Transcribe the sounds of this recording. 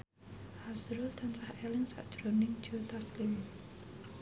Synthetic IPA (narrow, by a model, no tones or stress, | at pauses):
hasɾult̪ʰansahɛlɪŋsa̰ʔd̥d͡ʒ̥ɾonɪŋ̥d͡ʒot̪aslɪm